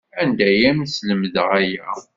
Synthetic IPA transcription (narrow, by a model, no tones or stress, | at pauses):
ænd̪æjæmsləməðʁæjæ